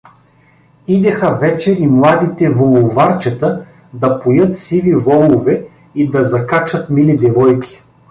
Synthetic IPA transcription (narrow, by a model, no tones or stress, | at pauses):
id̪ɛxɐvɛt͡ʃɛɾimlˠad̪it̪ɛvolˠʊvaɾt͡ʃɛt̪ə | d̪ɐpojɤt̪sivivɔlˠʊvɛ | id̪ɐzɐkat͡ʃɐt̪milid̪ɛvɔjkʲi̥